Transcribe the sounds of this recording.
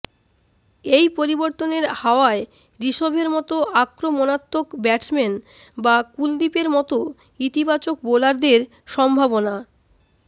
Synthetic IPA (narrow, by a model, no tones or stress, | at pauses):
ejpoɾiboɾt̪oneɾhaoae | ɾiʃobʱeɾmɔt̪oʔakɾomɔnat̪ːokbɛʈsmen | bakuld̪ipeɾmɔt̪o | it̪ibat͡ɕok̚bolaɾd̪eɾ | ʃɔmbʱabona